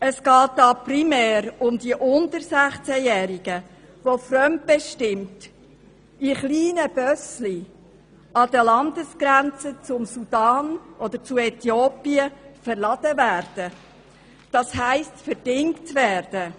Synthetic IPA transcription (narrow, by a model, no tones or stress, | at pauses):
əsɡ̥ɑːt̚dɑprimɛːɾʊmd̪iəʔʊntəɾsæχt͡sæjɛːɾiɡ̥ə | ʋofɾœmt̚b̥ɛʃtɪmt | iχliːnəb̥œsli | ʔɑd̥̪əlɑnd̪əsɡ̥ɾænt͡sət͡sʊmsud̥ɑːnʔɔd̥̪əɾt͡sʊɛtjoːpiəfɛɾlɑd̥̪əvæːɾd̥ə | d̥ɑshæɪstfəɾd̥ɪŋktvæːɾd̥ə